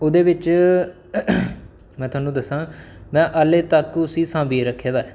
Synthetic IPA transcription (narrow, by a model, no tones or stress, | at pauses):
oːd̪eːʋɪt͡ʃ | mɛ̃ːt̪ʊaːnũːd̪əsãːmɛ̃ːʔəːleːt̪əkʊsiːsãːbiːɾəkʰːeːd̪aːɛː